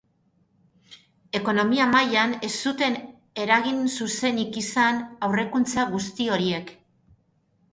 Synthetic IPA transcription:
e̞ko̞no̞miamajane̞st̪ut̪e̞n | e̞ɾaɣinsuse̞nikisanawre̞kunt͡saɣust̪io̞ɾie̞k

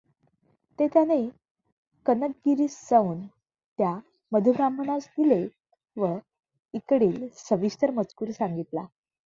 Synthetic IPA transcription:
t̪et̪jane | kənək̚ɡiɾiːsd͡zauːn | t̪ja | məd̪ʱubɾamʱəɳasd̪ile | ʋə | ikɽiːlsəʋiɕt̪əɾmət͡skuːɾsãŋɡit̪la

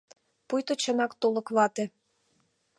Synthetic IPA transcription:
pujt̪ot͡ɕənɑkt̪olɤ̆kβɑt̪e

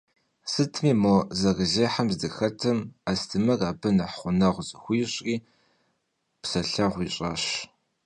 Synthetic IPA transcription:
sɨtʰmiːmozɐɣəzeːħamzdɨxɐtʰɨmastʰɨmɐraːbɐnɐħχʷʊnɐʁʷzʼɨxʷiːɕʼriː | psɐɬɐʁʷiːɕʼɑ̰ːɕ

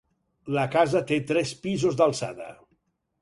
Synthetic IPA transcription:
ləkazət̪et̪ɾɛspizozd̪alˠsa̰ðə̰

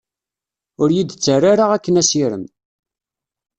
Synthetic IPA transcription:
ʊɾjid̪t͡sːəraɾaʁækːənæsiɾə̰m

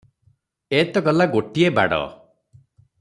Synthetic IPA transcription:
et̪ɔɡɔlaɡoʈieba̰ɽɔ̰

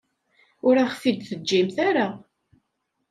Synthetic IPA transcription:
ʊɾaχfid̪θəd͡ʒːimθaɾa

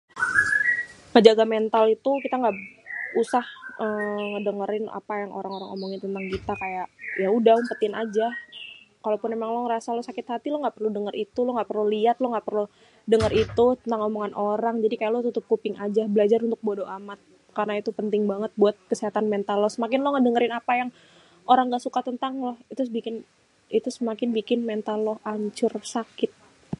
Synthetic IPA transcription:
ŋəd͡ʒaɡament̪alit̪ukit̪aŋɡausahəːmŋədəŋəɾɪna̰pajaŋo̰ɾaŋoɾaŋo̰moŋɪnt̪ənt̪aŋkit̪akajaʔjaudaumpət̪inad͡ʒa | kalopʊnmemaŋlɔŋɾasalɔsakɪt̪hat̪ilɔŋɡaʔpərludəŋəɾʔit̪ulɔŋɡaʔpərluliat̪lɔŋɡaʔpərlu | dəŋərit̪ut̪ənt̪aŋomoŋanʔoɾaŋd͡ʒadikajaʔlɔt̪ut̪ʊp̚kupɪŋad͡ʒabəlad͡ʒaɾunt̪ʊk̚bodoʔamat̪̚ | karnait̪upənt̪ɪŋbaŋət̪̚buat̪̚kəsiɦat̪anment̪alɔhsəmakɪnlɔŋadəŋəɾɪnapajaŋ | ʔoɾaŋɡaʔsukat̪ənt̪aŋlɔht̪usbikɪn | it̪usəmakɪnbikɪnmɛnt̪alɔhaɲt͡ʃʊrsakɪt̪̚

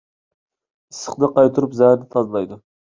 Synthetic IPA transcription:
ɨsːə̥qnɨqɑjt̪ʰuɾupzæhɾnɪt̪ʰɑzɨlˠɑjd̪ʊ

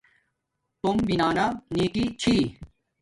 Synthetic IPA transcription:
t̪umbinaːnaniːkit͡ɕʰiː

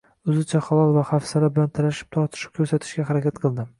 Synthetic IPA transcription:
ɵzɪt͡ʃʰaχalɒlˠvaχafsaɾabɪlant̪ʰaɾaʃɪ̥p̚t̪ʰɒɾt̪ʰɪ̥ʃɪ̥p̚kʰʲɵɾsat̪ʰɪ̥ʃkʲaɦaɾakʲat̪qʰɨlˠd̪ɪ

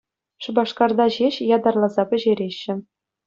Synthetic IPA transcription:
ʂɤ̆bɑʂkɑrd̪ɑʑeɕjɑd̪ɑrlˠɑzɑpʲɘ̆ʑeɾʲeɕːɘ̆

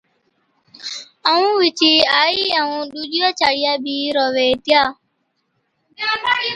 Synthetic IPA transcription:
aw̃ũwit͡ʃiajiawũdud͡ʒuat͡ʃaɾiabiɾɔwetia

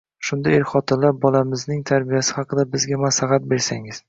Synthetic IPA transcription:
ʃʊnd̪aeɾχɒt̪ʰɪnlap̚bɒlamɪznɪŋt̪ʰaɾbijasɪ̥hɑqɨd̪abɪzɡʲamaslɑɦat̪̚be̞ɾsaŋɪz̥

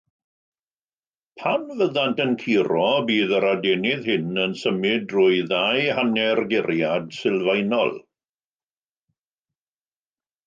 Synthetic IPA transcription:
pʰanvəðantənkʰiɾɔbiːðəɾadɛnɪðhɪnənsəmɪdrʊɨðajhanɛrɡɪɾjad̥sɪlˠvajnɔ̰lˠ

